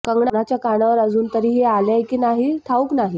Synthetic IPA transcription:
kəŋɡɳanat͡ɕjakaɽaʋəɾəd͡zuːnt̪əɾiːɦealjajkiːnaɦiʈ̪ʰauːknaɦi

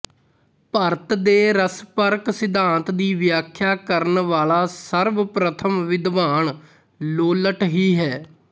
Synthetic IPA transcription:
pəɾt̪d̪eːɾəspəɾksɪd̪ãːnt̪d̪iːʋjaːkʰjaːkəɾnʋaːlaːsəɾʋpɾət̪ʰəmʋɪd̪ʋaːɳ | loːləʈɦiːɦɛː

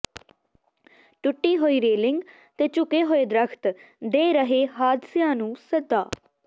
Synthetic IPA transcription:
ʈʊʈːiːɦoːiːɾeːlɪŋɡ | t̪eːt͡ʃʊkeːɦoːeːd̪ɾəkʰt̪ | d̪eːɾəɦeːɦaːd̪sjãːnũːsəd̪aː

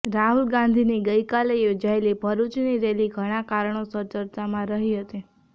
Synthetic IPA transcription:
ɾaɦulɡãnd̪ʱiniɡəjkalejod͡ʒaelibʱəɾut͡ʃniɾeliɡʱəɽ̃ãkaɾəɳ̃osəɾd͡ʒəɾt̪amãɾəɦiɦət̪i

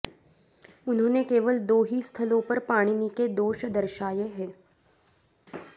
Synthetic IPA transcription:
ʊnɦõːnekeːʋəld̪oːɦist̪ʰəlõpəɾpaːɽ̃iniːked̪oːʃd̪əɾʃaːjeɦɛː

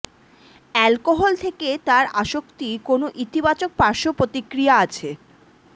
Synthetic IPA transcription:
ɛlkoɦolt̪ʰeket̪aɾaʃokt̪ikonoʔit̪ibat͡ɕok̚paɾʃopɾot̪ikɾijaat͡ɕʰe

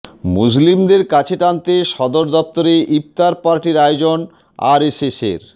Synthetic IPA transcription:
mus̬limd̪eɾkat͡ɕʰeʈant̪eʃɔd̪oɾd̪ɔp̚t̪oɾeʔip̚t̪aɾpaɾʈiɾajod͡ʑon | a̰ɾesesḛɾ

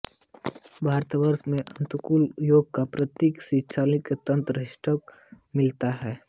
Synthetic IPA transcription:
bʱaːɾt̪ʋəɾsmẽʔɐ̃nt̪ukuljoːɡ̚kapɾɐt̪jeːksɪʃʰaːlɪkt̪ə̃nt̪ɾəɪsʈʰɔk | mɪlt̪aɦɛː

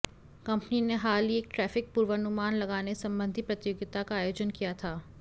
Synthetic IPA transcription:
kɐ̃mpnineɦaːlieːk̚ʈɾɛːfɪk̚puːɾʋənʊmaːnlɐɡaːnesɐ̃mbə̃nd̪ʱipɾɐt̪joːɡɪt̪akaaːjoːd͡ʒənkijat̪ʰaː

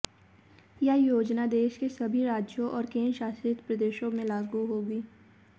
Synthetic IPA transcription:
jajoːd͡ʒnad̪eːʃkesɐbʱiɾaːd͡ʒjõʔɔːɾkeːnʃaːsɾit̪pɾɐd̪eːʃõmẽlaːɡuɦoːɡiː

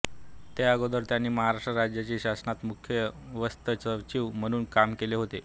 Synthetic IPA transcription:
t̪eəɡod̪əɾt̪janːiːməɦaɾaʂʈɾəɾad͡ʑjat͡ɕiːɕasnat̪mukʰjəʋəst̪ət͡səʋt͡ɕiːʋm̤əɽ̃uːnkamkeleɦot̪e

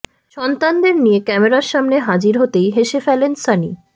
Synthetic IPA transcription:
ʃɔnt̪and̪eɾnijekɛmeɾaɾʃamneɦad͡ʑiɾɦot̪ejɦeʃefɛlensanḭ

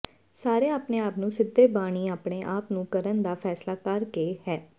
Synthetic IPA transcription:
saːɾeːaːpneːaːpnũːsɪd̪ːeːbaːɽ̃iːaːpɽeːʔaːpnũːkəɾənd̪aːfʰɛːslaːkəɾkeːhɛː

